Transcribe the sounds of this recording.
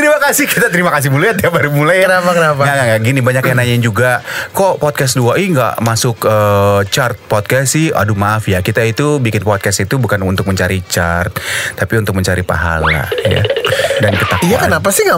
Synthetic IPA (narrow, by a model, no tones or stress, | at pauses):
t̪əɾimakasɪhkit̪at̪əɾimakas̬ɪhmulajat̪̚jabaɾumulajənapakənapaaŋaŋɡaɡinibaɲakjanaɲaɪnd͡ʒuɡakɔpɔt̪̚kɛsduaʔiŋɡa̰ʔmasʊkət͡ʃart̪̚pɔt̪̚kɛsɪha̰dumaafjakit̪ait̪ubikɪnpɔt̪̚kɛsit̪ubukanunt̪ʊk̚məɲt͡ʃaɾit͡ʃart̪̚t̪ːapiunt̪ʊk̚məɲt͡ʃaɾipa̰ɦa̰la̰ja̰dankət̪akijaʔkənapasɪhŋa